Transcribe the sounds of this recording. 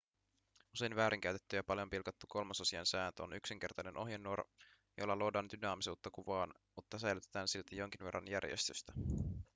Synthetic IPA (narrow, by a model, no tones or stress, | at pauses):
use̞jnʋæːɾʔiŋk̟æyt̪e̞t̪ːyjɑpɑljo̞mpilkɑt̪ːuko̞lmɑsɑsiɑnsæːnt̪øo̰nyksiŋk̟e̞rt̪ɑjne̞nʔo̞ɦjenːuor | jo̞̰lːɑlodɑːnd̪ynɑːmisuːt̪ːɑkuʋɑːn | mut̪ːɑsæjlyt̪et̪æːnsilt̪ejo̞ŋk̟inʋe̞rːɑ̰njærjḛst̪yst̪æ